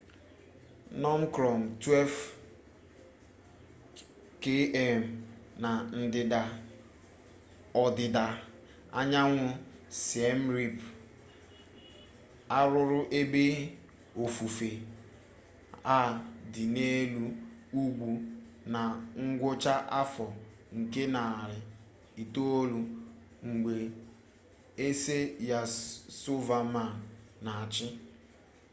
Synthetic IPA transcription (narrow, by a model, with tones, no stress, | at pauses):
nɔ˦m˦kɾɔ˨m̩˨twɛ˦lv | ke˦ɛ˦˨m̩˨na˨n̩˦dɪ˨da˨ | ɔ˨dɪ˨da˨ | a˦ɲa˦ŋʷʊ˦se˦m̩˦ɾi˦p | a˦ɾʊ˦ɾʊ˦ʔe˦be˦ | o˨fu˨fe˨ | a˦˨dɪ˨ne˦lu˦u˦ɡʷu˨ | na˨ŋ̩˦ɡʷʊ˦t͡ʃa˦ʔa˦fɔ˨ | ŋ̩˨ke˦na˨ɾɪ˨ | i˨to˦o˦lu˨ | ŋ̩˨ɡ͡be˨ | e˦se˦ja˨su˦va˨ma˨n˨na˨a˨t͡ʃɪ˦